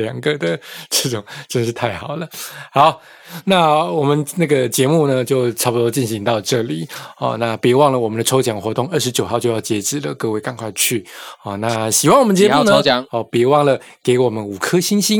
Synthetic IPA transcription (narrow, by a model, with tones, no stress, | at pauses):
jɑ˨˩ŋɡə˨d̪ə˨˦ʈ͡ʂə˥˩ʈ͡ʂʊ˨˩ŋʈ͡ʂə˥˧˩ʂɻ̩˥˧t̪ʰa˥˩ɪxɑ˨˩ʊlə˦xɑ˧˥˦ʊ | na˥˩wɔ˨˩mə˦nna˥˩ɡə˩t͡ɕjɛ˧˥mu˥˩nə˨t͡ɕjo˥˧ʊʈ͡ʂʰɑ˥ʊpu˧t̪o˥t͡ɕi˥˩nɕi˧˥ŋt̪ɑ˥˧ʊʈ͡ʂɤ˥˩li˨˩ɔ̰˥˧na˥˩pɛ˨˧˩wɑ˥˩ŋlə˩wɔ˨˩mə˦nd̪ə˧ʈ͡ʂʰo˥ʊt͡ɕjɑ˨˩ŋxwɔ˧˥t̪ʊ˥˧ŋə˥˩ʂɻ̩˧t͡ɕjo˨˩ʊxɑ˥˧ʊt͡ɕjo˥˧ʊjɑ˥˩ʊt͡ɕjɛ˧˥ʈ͡ʂɻ̩˨˩lə˩kɤ˥˧we˥˧ɪkɑ˥˧ŋkʰwa˥˧ɪt͡ɕʰy˥˩ɔ˥˩na˥˧ɕi˨˩wa˥˩ŋwɔ˨˩mə˧nt͡ɕjɛ˧u˥˧nə˧˨˦ŋɔ˥˩pɛ˨˧˩wɑ˥˩ŋlə˩ | ke˧˥ɪwɔ˨˩mə˦nu˨˩kʰɤ˥ɕi˥nɕi˥n